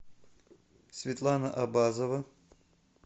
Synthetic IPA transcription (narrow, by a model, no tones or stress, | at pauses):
sʲvʲɪt̪lˠanəʔabazəvə